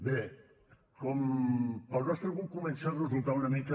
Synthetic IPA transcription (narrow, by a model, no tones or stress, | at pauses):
be | kompaɾɣast̪ɐlɣuŋkumẽnsarezulˠt̪aunɐmikɐ